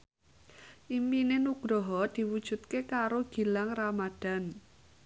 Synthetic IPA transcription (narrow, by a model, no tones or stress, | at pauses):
ʔimpinenuɡ̥ɾɔɦɔd̪̥i̤wud̥ʒ̥ṳt̪̚kekaɾoɡ̥i̤laŋramad̪̥a̤n